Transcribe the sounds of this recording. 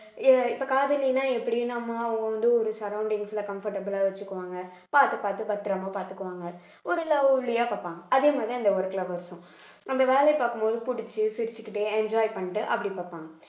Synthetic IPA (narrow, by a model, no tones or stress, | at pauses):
ɪpːɐkaːðɪlɪnaːɛpːɐɽɪjɯnaːmːaɐʋɐŋɡɐʋɐnd̪ɯɔɾɯsɐɾɐʊɳɖɪŋɡsɪlɐkɐmfɐɾʈɐbɯlaːʋɐt͡ʃːɯkːɯʋaːŋɡɐ | paːɾt̪ɯpaːɾt̪ɯpɐt̪ːɪɾɐmaːpaːɾt̪ɯkːɯʋaːŋɡɐ | ɔɾɪlːaːʊɭɪjaːpaːpːaːŋɡɐʔɐðeːmaːd̪ɾiɐnd̪ɐɔɾɯklɐʋɐɾsɔ̃ | ɐnd̪ɐʋeːlɛɪpaːkːɯmpoːðɯpʊɽɪt͡ʃːɯsɪɾɪt͡ʃːɯkːɪʈːeɛɲd͡ʒaːjpɐɳːɪʈːɯʔɐ̰pːɐɽipaːpːaːŋɡɐ